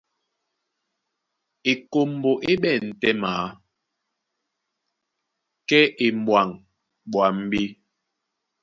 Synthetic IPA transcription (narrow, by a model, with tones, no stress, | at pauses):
e˨ko˨mbo˨ʔe˦ɓɛ˦˨n̩˨tɛ˦maː˨˦ | kɛ˦ʔe˨mwa˨ŋ | ɓwa˨˦m̩˦bi˦